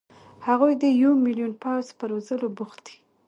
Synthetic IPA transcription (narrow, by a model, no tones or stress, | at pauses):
haɣujd̪əjawmilijunpawzpəɾozəlobuxt̪d̪i̥